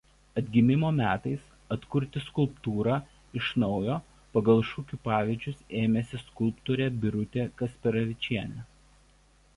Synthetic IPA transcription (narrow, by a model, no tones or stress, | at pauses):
ɐd̪ʲɡʲɪmʲɪmoːmʲæːt̪ɐɪs | ɐt̪kʊɾʲt̪ʲɪskʊlˠpt̪uːɾɑː | ɪʃnɒʊjoː | pɐɡɐlˠʃʊkʲuːpɑːʋʲɪːd͡ʒʲʊseːmʲɛsʲɪskʊlˠpt̪uːɾʲɛːbʲɪɾʊt̪ʲeːkɐsʲpʲɛɾɐʋʲɪt͡ʃʲiɛnʲɛ